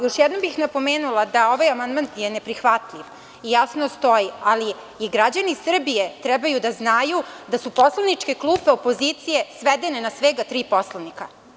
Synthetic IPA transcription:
jo̞ʃjɛd̪no̞mbixnapo̞meːnulˠad̪ao̞ʋajamand̪manjene̞pɾixʋat̪lʲiʋ | ijasnost̪o̞jiali | iɡɾad͡ʑanisr̩bijet̪ɾɛbajud̪aznajud̪asupo̞slˠanit͡ʂke̞klˠupeopo̞zit̪sije̞sʋed̪e̞ne̞nasʋeɡat̪ɾiːpo̞slanika

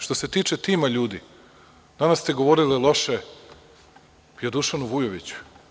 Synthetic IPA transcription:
ʃt̪ose̞t̪iːt͡ʃet̪iːmaʎuːd̪i | d̪̥anast̪e̞ɡo̞ʋo̞ɾililˠo̞ʃe | bijod̪uʃanuʋujoʋit͡ɕu̥

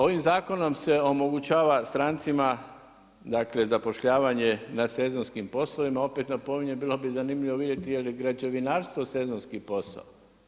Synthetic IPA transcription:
o̞ʋimzaːko̞no̞mse̞o̞mo̞ɡut͡ʃaːʋast̪ɾant̪sima | d̪akle̞zapo̞ʃʎaːʋaɲenase̞zo̞nskimpo̞sloʋimao̞pet̪napo̞miɲebiːlo̞bizanimʎiʋoʋid̪jet̪ijelɡɾad͡ʒeʋinaːɾst̪ʋo̞se̞zonskipo̞sa̰o

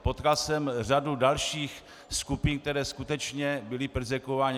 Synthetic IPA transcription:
pot̪kalsɛmr̝adudalʃiːx | skupɪnk̚t̪ɛɾɛːskut̪ɛt͡ʃɲɛbɪlɪpr̩zɛkovaːɲ

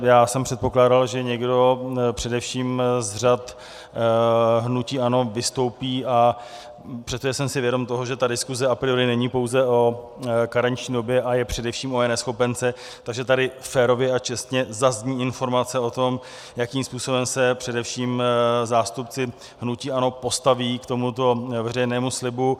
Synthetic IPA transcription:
jaːsɛmpr̥ɛt̪po̞klaːdalʒɛɲɛɡdo̞pr̝̥ɛdɛfʃiːmzr̝at̪ | ɦnuciːʔano̞vɪst̪o̞wpiːʔa | pr̥ɛt̪t̪oʒɛsɛmsɪvjɛdo̞mt̪o̞ɦoʒɛt̪adɪskuzɛapɾɪoɾɪnɛɲipowzɛʔo̞ | kaɾaɲt͡ʃɲiːdo̞bjɛʔajɛpr̝̥ɛdɛfʃiːmoɛnɛsxo̞pɛnt͡sɛ | t̪aɡʒɛt̪adɪfɛːɾo̞vjɛat͡ʃɛst̪ɲɛzazɲiːɪnfo̞ɾmat͡sɛo̞t̪o̞m | jakiːmspuːso̞bɛmsɛpr̝̥ɛdɛfʃiːmzaːst̪upt͡sɪ | ɦnuciːano̞po̞st̪aviːkt̪o̞mut̪o̞vɛrɛjnɛːmuslɪbu

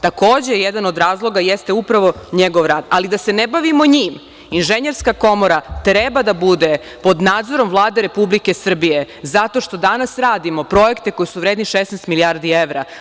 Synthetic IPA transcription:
t̪ako̞ːd͡ʑejed̪ano̞d̪ɾaːzlˠo̞ɡajest̪eupɾaʋo̞ɲeɡoʋɾaːd̪alid̪ase̞nebaʋimo̞ɲiːm | inʒeɲe̞ɾskako̞mo̞ɾat̪ɾebad̪abud̪e̞ | po̞d̪naːd̪zo̞ɾo̞mvlˠaːd̪eɾe̞publike̞sr̩bije | zat̪o̞ʃt̪o̞d̪anasɾaːd̪imo̞pɾo̞je̞kt̪eko̞jisuʋɾeːd̪niʃesnɛst̪miliaɾd̪ieʋɾa

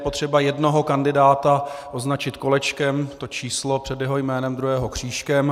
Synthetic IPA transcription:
po̞t̪r̝̥ɛbajɛdno̞ɦo̞kandɪdaːt̪aʔo̞znat͡ʃɪt̪ko̞lɛt͡ʃkɛmt̪o̞t͡ʃiːslo̞pr̝̥ɛdjɛɦojmɛːnɛmd̪ɾuɦɛːɦo̞kr̝̥iːʃkɛm

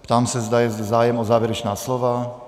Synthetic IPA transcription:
pt̪aːmsɛzd̪ajɛzɛzaːjɛmɔzaːʋjɛɾɛt͡ʃnaːslɔʋa

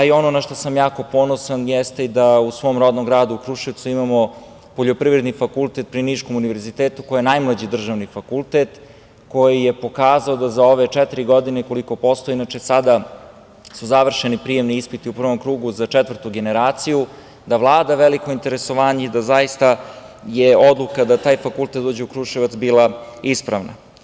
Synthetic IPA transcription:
aio̞nonaʃt̪osamjaːko̞po̞nosanjɛst̪e̞id̪ausʋo̞ːmɾo̞d̪nomɡɾaːd̪uukɾuʃiʋt̪suimamo̞ | poʎo̞pɾiʋɾed̪nifakulˠt̪et̪̚pɾiniʃko̞muniʋe̞ɾzit̪eːt̪ukojenajmlˠad͡ʑid̪r̩ʒaʋnifakulˠt̪et̪ | ko̞jije̞po̞kaːzaod̪azaoʋet͡ʃɛt̪iɾiɡo̞d̪ineko̞liko̞po̞st̪oeinat͡ʃesad̪a | suzaʋr̩ʃenipɾije̞mniispit̪iupr̩ʋo̞mkɾuːɡuzat͡ʃɛt̪ʋər̩t̪uɡeneɾaːt̪siju | d̪aʋlˠaːd̪aʋeliko̞int̪e̞ɾeso̞ʋaːɲeid̪azajist̪a | jeod̪lukad̪at̪aːjfakulˠt̪et̪d̪oːd͡ʑeukɾuʃiʋat̪sbiːlaispɾa̰ʋna̰

